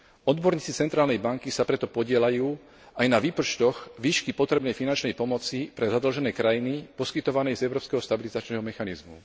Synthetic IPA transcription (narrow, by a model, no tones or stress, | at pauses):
ɔd̪bɔɾɲiːt͡sit͡sɛnt̪ɾaːlnɛjbaŋkisapɾɛt̪ɔpɔɟɪɛlajuː | ajnaʋiːpɔt͡ʃt̪ɔɣʋiːʃkipɔt̪ɾɛbnɛjfinant͡ʃnɛjpɔmɔt͡sipɾɛzad̪l̩ʒɛnɛːkɾajinipɔskit̪ɔʋanɛjzɛʊɾɔːpskɛɦɔst̪abilizat͡ʃnɛːɦɔmɛxanizmṵ